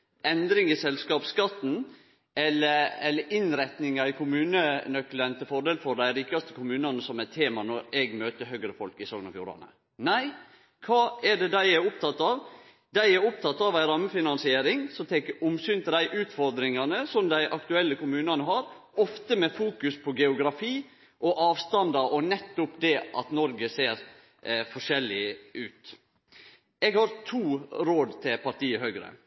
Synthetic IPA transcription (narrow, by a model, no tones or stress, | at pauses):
ɛnd̪ɾɪŋɪsɛlskɑːpskɑt̪ːn̩ | ɛləɛlːəɾʔɪnɾɛt̪nɪŋɑɪkʰʊmʉːnənœklənt̪ʰɪfɔɾɖ̪eːlfɔɾd̪æɪɾiːkɑst̪ə̥kʰʊmʉːnɑnəsɔmæt̪ʰːeːmɑnɔɾɛɡmøːt̪əɦœɡɾəfɔlkɪsɔŋnɔfjṵːɾɑ̰nə̰ | næɪ | kʰɑːɛɖɛd̪æɪæɾʊp̚t̪ʰɑt̪ːɑʋ | d̪æɪæɾʊp̚t̪ʰɑt̪ːɑʋæɪɾɑːmːəfɪnɑnsɪeːɾɪŋsɔmt̪ʰɛːkəʊmsyːnt̪ʰɪld̪æɪʔʉːt̪fɔɾd̪ɾɪŋɑnəsɔmd̪æɪʔɑkt̪ʉɛlːəkʊmʉːnɑnəɦɑɾ | ɔft̪əmɛfuːkʉspʰɔɡɛʊɡɾɑfiː | ʔɔʔɑːʋst̪ɑnd̪ɑɾɔnɛt̪ːʊpd̪ɛʔɑ̰t̪nɔɾɡəseːɾ | fɔʂɛlːɪʔʉːt̪ | ɛɡhɑɾt̪ʰuːɾoːd̪t̪ʰɪlpʰɑɾʈiːəhœɡɾə̰